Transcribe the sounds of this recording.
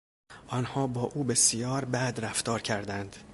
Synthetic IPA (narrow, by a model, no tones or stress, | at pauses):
ʔɒnhɒːbɒːʔuːbe̞sijɒːɾbæd̪ɾæft̪ʰɒːɾcʰæɾd̪ænd̪̥